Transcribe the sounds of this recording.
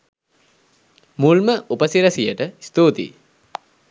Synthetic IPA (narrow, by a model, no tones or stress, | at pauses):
mulməʔupəsiɾɐsijəʈəist̪oːt̪ḭ